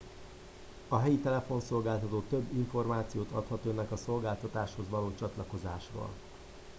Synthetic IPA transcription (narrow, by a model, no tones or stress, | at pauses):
ɒɦɛjit̪ɛlɛfo̞nso̞lɡaːlt̪ɒt̪oːt̪øbːiɱfo̞rmaːt̪sijoːt̪ɒt̪hɒt̪ønːɛkɒso̞lɡaːlt̪ɒt̪aːʃho̞zʋɒloːt͡ʃɒt̪lɒko̞zaːʃro̰ːl